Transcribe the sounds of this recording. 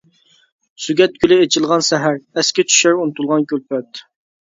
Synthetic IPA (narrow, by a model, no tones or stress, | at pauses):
syɡʲɛt̪̚kʰʲylɪet͡ʃʰilˠʁɑnsɛɦæɾɛskʲɛt͡ʃʰy̥ʃæɾunɨt̪ulˠʁɑnkʲølpɛt̪